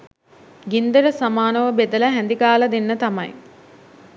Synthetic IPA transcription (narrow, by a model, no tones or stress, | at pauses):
ɡind̪əɾəsamaːnəʋəbed̪əlɐɦænd̪iɡaːlɐd̪enːət̪amɐ̰j